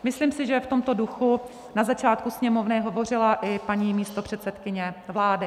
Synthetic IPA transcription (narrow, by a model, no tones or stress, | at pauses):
mɪsliːmsɪʒɛft̪o̞mt̪o̞duxu | nazat͡ʃaːt̪̚kusɲɛmo̞vnɪɦo̞vo̞r̝ɪlaʔɪpaɲiːmiːst̪o̞pr̝̥ɛt̪sɛt̪kɪɲɛvlaːdɪ